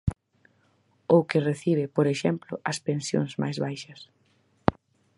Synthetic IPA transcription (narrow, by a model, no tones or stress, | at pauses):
owkɪreθiβɪpoɾeʃɛmplʊ̰ʔɐspẽnsjo̰ŋszma̰jzβajʃɐs